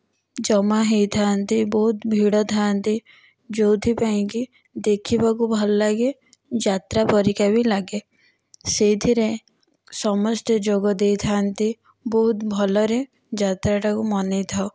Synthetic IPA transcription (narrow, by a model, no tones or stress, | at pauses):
d͡ʒɔmaɦet̪ʰant̪ibɔɦʊt̪bʱiːɽət̪ʰant̪i | d͡ʒoːt̪ʰipãki | d̪eːkʰibaɡubʱɐlːaɡe | d͡ʒaːt̪ɾapəɾikabʱilaɡe | set̪ʰiɾẽ | sɔməsʈ̪ed͡ʒoɡɔd̪et̪ʰaːnt̪i | bɔɦʊt̪bʱɔləɾẽ | d͡ʒaːt̪ɾaʈakumanet̪ʰa